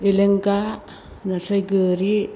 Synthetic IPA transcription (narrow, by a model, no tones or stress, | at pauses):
eleŋɡa | nasʰajɡɯɾi